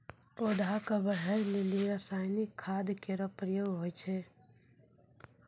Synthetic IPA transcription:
oːd̪ʱakabəɦɛɾleliɾasaːjnikʰːaːd̪keɾɔpɾəjoːɡɦoːit͡ʃʰeː

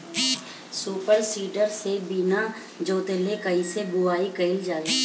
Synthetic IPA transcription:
suːpəɾsiːɖəɾsebiːna | d͡ʒoːt̪elekəisebʊaːikəɪld͡ʒaːi

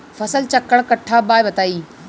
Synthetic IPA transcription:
fɐsəlt͡ɕɐkːəɽkɐʈʰːaːbaːjbɐt̪aːiː

